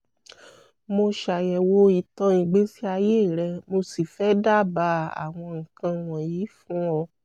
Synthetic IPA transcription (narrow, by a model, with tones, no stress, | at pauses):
mo˧ʃa˨jɛ˨wo˧i˨tɔ̃˧ĩ˨ɡ͡be˨˦si˦a˧je˦i˦˨ɾɛ˧mo˧si˨fɛ˨˦da˦˨ba˧˦a̰˨w̃ɔ̃˧ŋ̩˨kã˧w̃ɔ̃˨ji˨˦fũ˦ɔ˧